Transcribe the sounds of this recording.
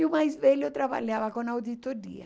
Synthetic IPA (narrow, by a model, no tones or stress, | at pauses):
iʊmajzvɛʎot̪ɾaba̰ʎavɐkõnawd̪it̪oɾiɐ